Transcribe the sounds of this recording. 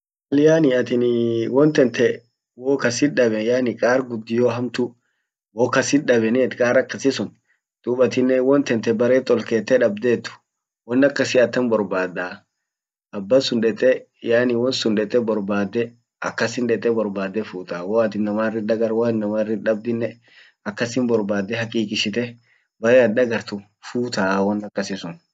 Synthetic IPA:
wɐlɪjaːnɪɐt̪ɪnwɔnt̪ɛnt̪ʰɛ | woːkɐsɪᶑɐbɛjaːnɪkʼaːɾɡʊd̪ːɪjoːɦɐmt̪ʊ | wɔːkɐsɪᶑɐbɛneːt̪kʼaːɾɐkːɐsɪsʊn | d̪̥uːbɐt̪ɪnːɛwɔnt̪ɛnt̪ɛbɐɾeːt̪ʼːɔlkeːt̪ːɛᶑɐbd̪eːt̪ːʊ̥ | wɔnːɐkːɐsɪɐt̪ːɐnbɔɾbaːd̪aː | ɐbːɐsʊnᶑɛt̪ʼɛ | jaːnɪwɔnsʊnᶑɛt̪ʼɛbɔɾbaːd̪ːɛ | ɐ̰kːɐsɪnᶑɛt̪ʼːɛbɔɾbaːd̪ːɛfuːt̪aːwɔɐt̪ɪnnɐmaːrːɪᶑɐɡɐɾwanːɐmaːrːɪᶑɐb̚d̪ɪnːɛ | ɐkːɐsɪnbɔɾbaːd̪ːɛhɐkʼiːkʼɪʃɪt̪ɛ | bɐɾeːɐᶑɐɡɐɾt̪ʊ | fuːt̪aːwɔnːɐkːɐsɪsʊn

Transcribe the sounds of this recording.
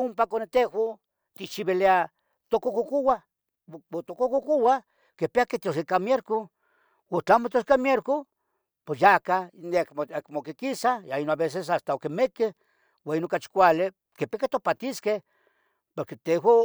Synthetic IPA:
umpakonet̪eho | t̪ikt͡ʃiβelea | t̪okokokuwa | ot̪okokokowa | kepeaket̪os̬ekamjeɾko | wot͡ɬamot̪oskamjeɾko | posjakankakmokekisajainoaβes̬es̬ast̪aokemeke | wainokat͡ʃi̥kʷale | kepiaket̪opat̪iskeh | poɾket̪eɦo

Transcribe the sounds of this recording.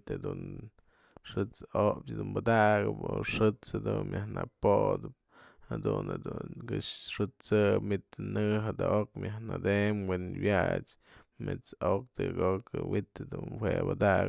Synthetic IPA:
t̪ed̪un | ʂɨt͡sopd̪unbad̪aɡɨpoʂɨt͡shad̪unmjahnapod̪ɨp̚ | had̪und̪uɡɨʂʂɨt͡sɨpmit̪ɨnɨɦad̪aʔokmʲjahnad̪emwenwjat͡ʃ | met͡sok̚t̪ɨɡokɨwit̪ad̪unwebad̪aʔɡ

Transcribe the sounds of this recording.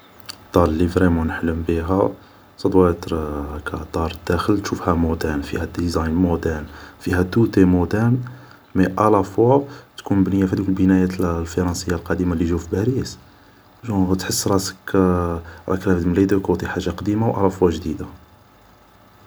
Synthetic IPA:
d̪̥ˤɑɾˤlːivɾimunħləmbiɦæ | sˤɑd̪wæt̪ɾkʰæd̪ˤɑɾˤd̪ːæxəlt̪ʃufhæmud̪ænfihæd̪izɑjnmod̪ænfihæt̪ut̪emud̪æn | miʔælæfwat̪kunbnəjːafihæd̪ukəlbənæjæt̪lfɑɾˤɑnsəjːalqɑd̪imaliʒufibæɾis | ʒut̪ħəsːɾˤɑsə̥k | ɾˤɑ̰klæft̪mlid̪əkæwt̪ˤiħaʒːaqd̪imawʔælæfwæʒd̪id̪a

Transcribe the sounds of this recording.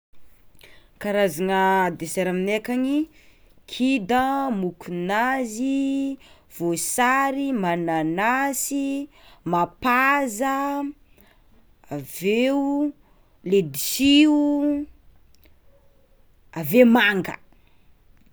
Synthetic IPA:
kaɾazanəd̪eseɾaminekani | kʰid̪əmukʰunazi | v̥osaɾimananasi | mapazə | aveu | led̪isiu | avemaŋɡə̰

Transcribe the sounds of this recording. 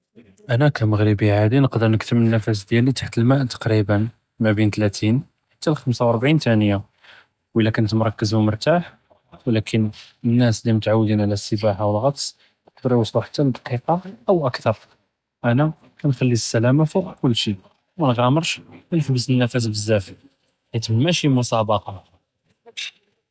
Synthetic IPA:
ʔænækæməɣɾəbiʕad̪inəqd̪əɾˤnəkt̪əmənːæfæs̬d̪jælit̪ḁħt̪əlmæʔt̪ɑ̥qɾibən | mæbint̪læt̪ʰin | ħḁt̪ːælxəmsawʔɑɾˤbʕint̪ænəja | wʔəlːækʊnt̪mɾˤɑkːəzhumʊɾˤt̪aħ | wlækʰənənːæslimət̪ʕawːd̪inʕlæsːəbaħawəlɣɑt̪ˤsˤ | ət̪̚ɑɾiwɑsˤluħḁt̪ːæld̪ɑqiqɑʔəwʔækt̪ɑɾˤ | ʔænæ | kænxælːisːælæmafuqkʊlːʃi | mænɣæməɾˤʃmnəħbəsənːæfæs̬bəzːæfi | ħæt̪mnmæʃimʊsɑbɑqɑ

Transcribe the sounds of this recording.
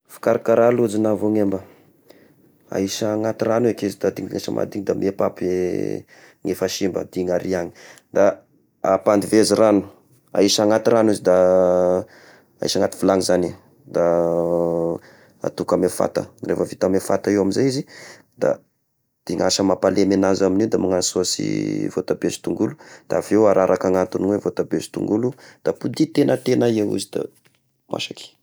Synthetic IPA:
fi̥kaɾakaɾalud͡zinavoŋembə | a̰iʃaŋat̪iranuekizid̪ad̪iŋd̪ŋasə̰mʔa̰d̪iŋd̪amepape | ŋefaʃimbə̰d̪̥iŋaɾiaŋi̥ | d̪a | apand̪iveziɾanu̥ | a̰iʃaŋat̪iɾanizid̪a | a̰ḭʃaŋat̪i̥vulaŋizani | d̪a | a̰t̪ukamefa̰t̪ə̰refəvit̪amefat̪aewaminzajizi | d̪̥a̰ | d̪̥iŋaʃəmapalemenazaminid̪amaŋasosḭvot̪abezi̥t̪uŋɡulud̪̥avewaɾʔaɾʔakaŋat̪uniwevot̪abez̥t̪ṵŋɡulud̪̥apud̪it̪enət̪enaiewṵzid̪a̰ | mʔa̰ʃaki̥

